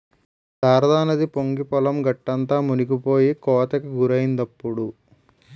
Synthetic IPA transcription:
d̪aːɾɐd̪aːnɐd̪ipoŋɡipɐlɐmɡɐʈːɐnt̪aːmuniɡipo̞ːjikɔːt̪ɐkiɡuɾɐjind̪ɐpːuɽu

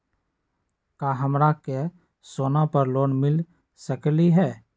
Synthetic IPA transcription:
kaːɦəmɾake | soːnapəɾloːnmɪl | səkliɦɛː

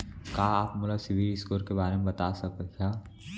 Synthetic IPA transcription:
kaːaːpmʊlasɪʋilɪskoːɾkebaːɾemẽbɐt̪aːsɐk̚kʰaː

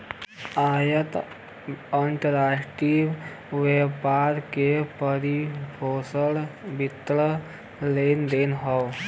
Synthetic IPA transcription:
ajət̪ | əɳʈəɾakʈiʋ | ʋepaɾkepəɾibʰʱosəlbit̪ːɭə | lend̪enɦəw

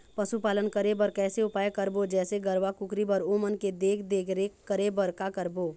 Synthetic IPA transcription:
pɐʃupaːlənkəɾebəɾkɛːseʊpaːjkəɾbod͡ʒɛːseɡəɾʋakʊkɾibəɾoːmənked̪eːkʰd̪eːkʰɾekəɾebɐɾkakəɾboː

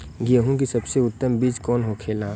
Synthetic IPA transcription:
ɡijəɦũk̬isɐbseʊt̪ːəmbiːd͡ʒkɔːnɦokʰeːlãː

